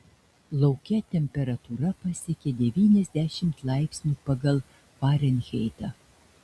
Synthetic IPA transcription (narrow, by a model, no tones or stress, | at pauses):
lˠɐʊkʲɛt̪ʲɛmʲpʲɛɾɐt̪uːɾɐpɐsʲɪkʲɪd̪ʲɛʋʲiːnʲɛzʲd̪ʲæʃʲɪmt̪lˠɑɪpʲsʲnʲuːpɐɡɐlˠ | pɑːɾʲɛnʲxʲɛɪt̪ɑ